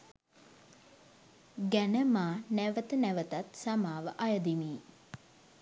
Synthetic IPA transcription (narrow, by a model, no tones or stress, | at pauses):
ɡænəmaːnæʋət̪ənæʋət̪at̪samaːʋəʔajəd̪imiː